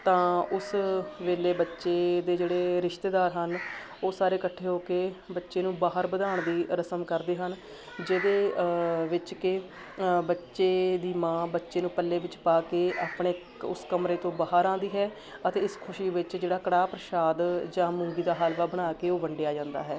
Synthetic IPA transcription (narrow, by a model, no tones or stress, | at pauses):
t̪ãːʊsʋeːleːbətːʃeːd̪eːd͡ʒeːɽeːɾɪʃt̪eːd̪aːɾɦən | oːsaːɾeːkəʈʰːeːɦoːkeːbətːʃeːnũːbaːɦəɾbəd̪aːɳd̪iːɾəsəmkəɾd̪eːɦən | d͡ʒeːd̪eːʋɪt͡ʃkɪ | bətːʃeːd̪iːmãːbətːʃeːnũːpəlːeːʋɪt͡ʃpaːkeːaːpɳeː | ʊ̰skəmɾeːt̪õːbaːɦəɾãːnd̪iːɦɛː | ət̪eːɪskʰʊʃiːʋɪt͡ʃd͡ʒeːɽaːkəɽaːpɾəʃaːd̪d͡ʒãːmʊ̃ːŋɡiːd̪aːɦaːlʋaːbəɽ̃aːkeːoːʋəɳɖejaːd͡ʒãːnd̪a̰ːɦɛː